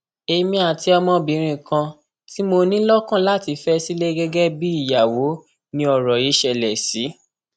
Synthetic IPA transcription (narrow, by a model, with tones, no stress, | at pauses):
e˧mĩ˧a˨ti˧ɔ˧mɔ̃˧bĩ˨˦ɾ̃ĩ˧˨kã˧ | ti˦mo˧nĩ˦lɔ˦kã˦la˦ti˧fɛ˦si˦le˦ɡɛ˦ɡɛ˦bi˦i˦˨ja˨wo˨˦ | nĩ˧ɔ˧˨ɾɔ˨ji˨˦ʃɛ˧˨lɛ˨si˨˦